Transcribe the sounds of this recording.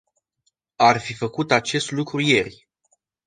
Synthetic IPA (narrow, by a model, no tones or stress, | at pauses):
arfifəkut̪at͡ʃe̞st̪lukɾuje̞rʲ